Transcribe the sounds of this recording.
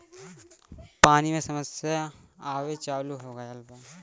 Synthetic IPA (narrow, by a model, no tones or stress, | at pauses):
paːnimẽsɐməsjaaːʋet͡ʃaːluɦoːɡɐjɐlba